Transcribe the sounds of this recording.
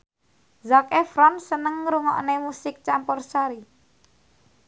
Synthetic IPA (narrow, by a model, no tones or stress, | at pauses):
zakefɾɔnsənəŋɾuŋɔ̰ʔnemusɪk̚t͡ʃampɔrsaɾi